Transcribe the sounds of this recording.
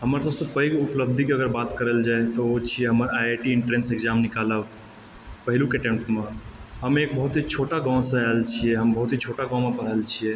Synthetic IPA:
həməɾsəbsə̃pəiɡʊpləb̚d̪ʱikeəɡəɾbat̪kəɾəld͡ʒaet̪oot͡ʃʰieɦəməɾajaʈiɪɳʈɾensekd͡ʒaːmnɪkaləb | pəɦɪlũkeʈẽmʈmãɦəmeːk̚bəɦʊt̪ɦit͡ʃʰoʈaɡãw̃sə̃alt͡ʃʰieɦəmbəɦʊt̪ɦit͡ʃʰoʈaɡãw̃mẽpəɽ̤əlt͡ʃʰie

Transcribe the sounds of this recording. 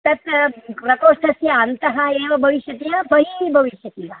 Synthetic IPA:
t̪ɐt̪pɾɐkoːʂʈʰɐsjɐɐnt̪ɐɦaeːʋɐbʱɐʋiʃjɐt̪ijãbɐɦibʱɐʋiʃjɐt̪iʋa

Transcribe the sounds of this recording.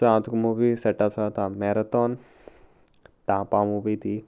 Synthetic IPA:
ãːt̪ʰukmuʋiseʈɐpsat̪ãmeɾɐt̪ɔːn | t̪ãːpãːmuːʋit̪i

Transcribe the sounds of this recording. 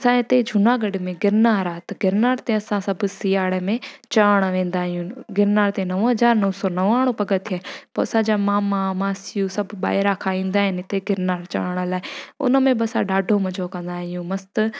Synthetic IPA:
ɐsãɪt̪ed͡ʒʱunaːɡɐɖɪmẽɡɪɾnaːɾaːt̪ɐɡɪɾnaːɾt̪ẽɐsãsɐbʱsiːaːɽemẽt͡ʃaːɽ̃ʋẽːn̆d̪aːɦijũɡɪɾnaːɾt̪ẽnɐʋɦɐzaːɾnɐʋsɔːnɐʋaːɽ̃opɐɡət̪ʰaːpɐɐsãd͡ʑamãːmãmãːsɪjusɐbʱɓa̰ːɦɪɾakʰaːĩːnd̪aːɦɪnɪɪt̪eɡɪɾnaːɾt͡ʃa̰ːəɽ̃əlaːɪʊ̰nəmẽbɪɐsãɗaːɖʱomɐd͡ʒʱokɐ̃nd̪aːɦijũmɐst̪

